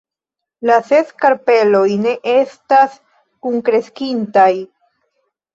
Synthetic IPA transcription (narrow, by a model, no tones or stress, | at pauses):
lase̞skaɾpe̞lo̞jne̞ʔe̞stas | kuŋkɾe̞skintaj